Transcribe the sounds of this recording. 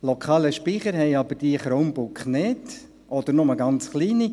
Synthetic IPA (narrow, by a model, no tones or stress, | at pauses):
lɔkʰɑːləʃpiχəɾɦɛɪɑbəɾd̥iəχɾoːnbʊkχnɪt | ʔɔd̪əɾnʊməɡɑnt͡sχliːni